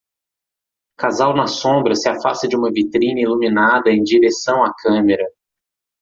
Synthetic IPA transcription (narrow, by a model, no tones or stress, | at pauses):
kazawnɐsõbɾɐsɪafast̪ɐd͡ʒɪũmɐvit̪ɾĩnɐiluminad̪ɐẽj̃d͡ʒiɾesɐ̃w̃akʰɐ̃meɾɐ